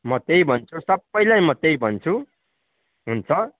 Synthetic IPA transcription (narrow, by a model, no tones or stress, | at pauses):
mʌt̪ejbʱʌnt͡sʰusʌbːʌjlajmʌt̪ejbʱʌnt͡sʰu | ɦunt͡sʰʌ